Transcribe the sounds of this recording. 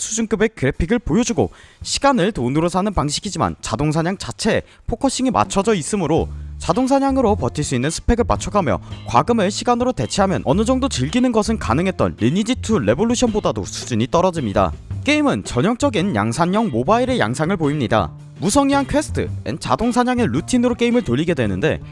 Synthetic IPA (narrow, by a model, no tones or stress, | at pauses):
sʰud͡ʑunk͈ɯbe̞kɯɾepʰiɡɯɭpojod͡ʑuɡo̰ɕʰi̥ɡanɯɭtonɯɾosʰanɯnpaŋɕʰiɡid͡ʑima̰nt͡ɕadoŋs̬ʰaɲaŋt͡ɕat͡ɕʰe̞ | pʰokʰʌɕ͈iŋimʔa̰t͡ɕʰʌd͡ʑʌis͈ɯmɯɾot͡ɕadoŋs̬ʰaɲaŋɯɾopʌtʰiɭs͈uinːɯnsʰɯ̥pʰe̞ɡɯɭpat͡ɕʰʌkʰamjʌ̰kwa̰ɡɯmɯɭɕʰiɡanɯɾote̞t͡ɕʰeɦamjʌ̰nʔʌnɯd͡ʑʌŋdot͡ɕɯɭɡinɯnɡʌsʰɯnka̰nɯŋɦe̞t̚t͈ʌ̰nɾʔinid͡ʑitʰuɾe̞boɭːuɕʰʌnbodado̰sʰu̥d͡ʑuɲit͈ʌɾʌd͡ʑimɲida̰k͈e̞imɯnt͡ɕʌɲʌŋt͡ɕ͈ʌɡinja̰ŋsʰaɲːʌŋmobaiɾe̞ja̰ŋsʰaŋɯɭpoimɲida̰ | musʰʌŋiɦankʰwe̞sʰɯ̥tʰɯ̰ḛnt͡ɕa̰doŋsʰaɲaŋe̞lutʰinɯɾok͈e̞imɯɭtoʎːiɡe̞dwe̞nɯnde̞̰